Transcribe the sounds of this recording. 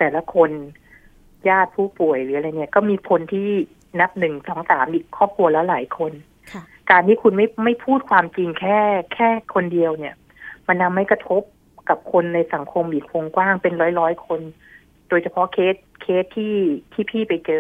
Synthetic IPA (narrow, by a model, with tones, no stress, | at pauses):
t̪ɛː˨˩la˦˥kʰo˧n | jaː˥˩t̪̚pʰuː˥˩pu˨˩əjlɯː˩˦ʔa˧jni˦˥ɐkɔː˥˩miː˧kʰo˧nt̪ʰiː˥˩ | na˦˥p̚nɯ˨˩ŋsɔː˩˦ŋsaː˩˦mʔiː˨˩kʰːɔː˥˩p̚kʰu˧ɐlɛ˦˥wlaː˩˦jkʰo˧n | kaː˧nt̪ʰiː˥˩kʰu˧nma˥˩jma˥˩jpʰuː˥˩t̪̚kʰwaː˧mt͡ɕi˧ŋkʰɛː˥˩kʰɛː˥˩kʰo˧ndi˧əwni˥˩ɐ | ma˧nːa˧mːa˥˩jkɾa˧t̪ʰo˦˥p̚ | ka˨˩p̚kʰo˧nːa˧jsa˩˦ŋkʰo˧mʔiː˨˩k̚wo˧ŋkwaː˥˩ŋpe˧nɾɔː˦˥jɾɔː˦˥jkʰo˧n | doː˧jsʰa˧pʰɔ˦˥kʰeː˦˥t̪̚kʰeː˦˥t̪ʰːiː˥˩t̪ʰiː˥˩pʰiː˥˩pa˧jt͡ɕɤː˧